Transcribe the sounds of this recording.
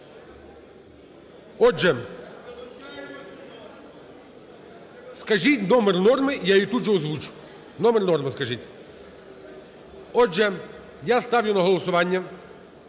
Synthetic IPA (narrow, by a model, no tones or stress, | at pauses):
ɔʒɛ | skɐʒitʲnɔmɛrnɔrmɪjait̪uʒɛɔzʋut͡ʃʊ̥ | nɔmɛrnɔrmɪskɐʒitʲ | ɔʒɛ | jast̪ɑʋwjʊnɐɦɔlˠɔsʊʋɑnʲːɐ